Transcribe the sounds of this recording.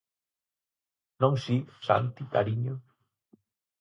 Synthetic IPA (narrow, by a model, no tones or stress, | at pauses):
nõŋsisa̰nt̪it̪aɾiɲo